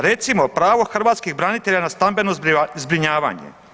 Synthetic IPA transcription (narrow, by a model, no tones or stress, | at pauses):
ɾe̞t̪simopɾaːʋo̞xr̩ʋaːt̪skiɣbɾanit̪e̞ʎanast̪ambe̞nozbɾiɲaːʋa̰ːɲḛ